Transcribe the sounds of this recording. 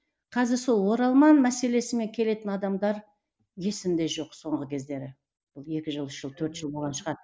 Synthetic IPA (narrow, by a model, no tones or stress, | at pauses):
qʰɑzɪɾso̞lˠwo̞ɾɑlˠmɑnmæse̞le̞sɪme̞ŋkʲʰe̞le̞t̪ɪnɑd̪ɑmd̪ɑɾ | je̞sɪmd̪e̞ʒo̞qso̞ɴʁəkʲʰe̞zd̪e̞ɾɪ | b̥ʊlˠe̞kʲɪʒəlˠʏʃʒ̥əlˠt̪ʰɵɾt̪ʒ̥əlˠbo̞lˠʁɑnʃə̥ʁɑd̪